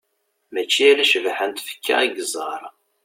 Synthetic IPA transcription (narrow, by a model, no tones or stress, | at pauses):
mæt͡ʃːiæɾæʃəvħənt̪fə̥kːa̰iɡəzˤɑɾˤ